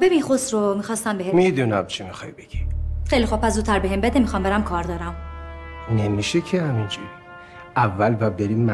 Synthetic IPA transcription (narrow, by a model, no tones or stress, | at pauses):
bebiːnxosɾomiːxɒːst̪æmbeɦemid̪unæmt͡ʃʰimixɒ̰jbeɡ̥ixejlixub̚pʰæs̬d̪uːt̪ʰæɾbeɦembed̪emixɒːmbeɾæmkʰɒːɾd̪ɒːɾæm | nemiʃecʰehæmind͡ʒuɾ | ʔævːælbæbeɾimː